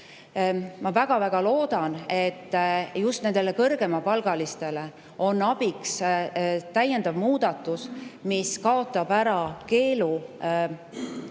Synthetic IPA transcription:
mɑvæɡ̥ɑvæɡ̥ɑlo̞ːd̪̥ɑne̞t̪ːjust̪ne̞nd̪̥e̞le̞kɤrɡ̥e̞mɑpɑlɡ̥ɑlist̪e̞le̞ | o̞nːɑb̥iks | t̪æje̞nd̪̥ɑvmuːd̪̥ɑt̪ːˑusmiskɑo̞t̪ːˑɑb̥æɾɑke̞ːlu

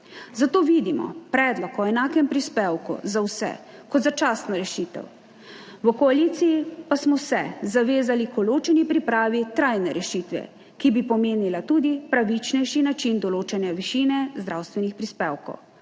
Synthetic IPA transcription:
zat̪oːʋid̪imɔ̰pɾɛd̪lɔkɔɛnaːkɛmpɾispewkṵzawsɛ̰ | kɔt̪zat͡ʃaːsnaɾɛʃit̪ɛ̰w | ʋəkɔalit̪sijipasmɔwsɛzaʋeːzalikɔloːt͡ʃɛnipɾipɾaːʋit̪ɾajnɛɾɛʃit̪ʋɛ̰ | kibipɔmeːnilat̪uːd̪ipɾaʋit͡ʃnɛjʃinat͡ʃind̪ɔloːt͡ʃɛnjɛʋiʃinɛzd̪ɾawst̪ʋɛnixpɾispeːwkɔ̰w

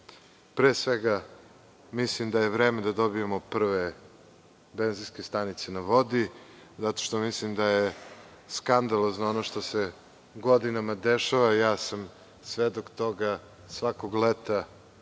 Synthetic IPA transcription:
pɾeːsʋeɡa | mislimd̪ajevɾeːmed̪ad̪o̞biemopr̩ʋe | be̞nzinske̞st̪anit̪se̞naʋo̞d̪i | zat̪o̥ʃt̪o̞mislimd̪aje | skand̪alˠoznoonoʃt̪ose | ɡo̞d̪inamad̪eʃaʋajaːsam | sʋed̪okt̪o̞ɡa | sʋakoɡlet̪a

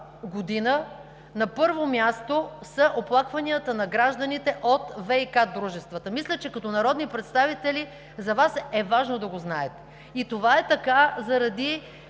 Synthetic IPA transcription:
ɡod̪inə | nɐpɤɾvomʲjast̪osɐʔoplˠakvɐniət̪ənɐɡɾaʒd̪ɐnit̪ɛʔot̪vɛikad̪ɾuʒɛst̪vət̪əmislʲɛt͡ʃɛkɐt̪ɔnɐɾɔd̪nipɾɛt̪st̪avit̪ɛli | zɐvasɛvaʒnod̪ɐɡoznaɛt̪ɛ̥ | it̪ovaɛt̪ɐkazɐɾɐd̪i

